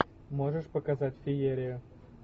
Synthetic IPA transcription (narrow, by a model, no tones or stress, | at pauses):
mo̞ʐɨʂpəkɐzatʲfʲɪjeɾʲɪjʊ